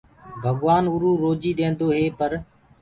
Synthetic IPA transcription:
bʱəɠʋaːnʊɾuːɾoːd͡ʒiːɗeːnd̪oːɦeːpəɾ

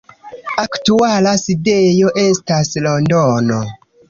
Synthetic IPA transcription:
aktualaside̞jo̞ʔe̞staslo̞ndono

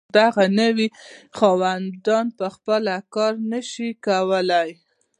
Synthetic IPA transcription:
d̪aɣanəwixɑwand̪ɑnpəxpəlakɑɾnəʃikawəlaj

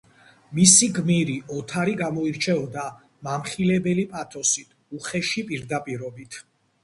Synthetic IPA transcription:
misiɡmiɾiʔɔt̪ʰaɾiɡamɔiɾt͡ʃʰɛɔd̪a | mamχilɛbɛlipʼat̪ʰʼɔsit̪ʰ | uχɛʃipʼiɾd̪apʼiɾɔbit̪ʰ

